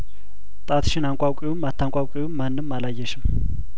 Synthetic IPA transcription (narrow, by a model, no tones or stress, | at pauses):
t̪ʼat̪ʰʃɪnaŋkʷʼawkʷʼiwɨmːat̪ʰːaŋkʷʼawkʷʼiwumːanːɨmːalajːɛʃɪm